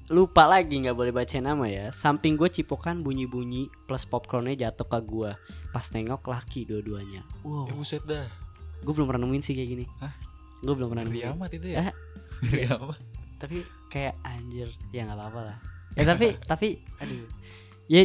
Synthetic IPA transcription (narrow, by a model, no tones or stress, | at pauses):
lupalaɡiŋɡaʔbolɛhbat͡ʃaɪnamajasampɪŋɡuat͡ʃipokanbuɲibuɲipləspɔp̚kɾɔnad͡ʒat̪ɔkaɡuapasnɛŋɔklakiduaduaɲawabusɛt̪̚daɡuabəlʊmranəmuɪnsɪhkaɡinia | ɡuabəlʊmranəiamat̪it̪uja | iamat̪̚t̪api | kajaʔaɲd͡ʒərjaŋɡalaːpalahjat̪apit̪apiadu | ja